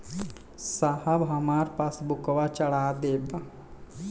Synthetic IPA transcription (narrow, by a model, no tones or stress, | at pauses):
sahɐʋɦɐmaːɾpasbʊkʋat͡ʃəɽaːd̪eːb